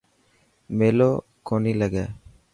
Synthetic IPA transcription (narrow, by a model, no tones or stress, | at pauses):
meloː | koniːləɡɛː